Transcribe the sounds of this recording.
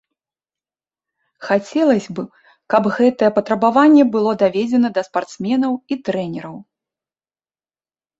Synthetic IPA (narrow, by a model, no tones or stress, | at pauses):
xat͡sʲɛlˠɐsʲbɨ | kɐbɣɛt̪ɐjɛpɐt̪ɾɐbavanʲːɛbɨlˠɔd̪avʲɛd͡zʲɛnɐd̪ɐspart̪smʲɛnɐwit̪ɾɛnʲɛɾɐw